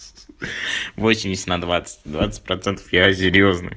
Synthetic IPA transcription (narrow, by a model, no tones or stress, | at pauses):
vosʲːɪmʲdʲɪsʲɪ̥ət̪nɐd̪vat̪sɨ̥t̚ʲd̪vat̪sɨ̥t̚ʲpɾɐt̪sɛnt̪ə̥fjas̬ʲɪɾʲjo̞znɨ̰j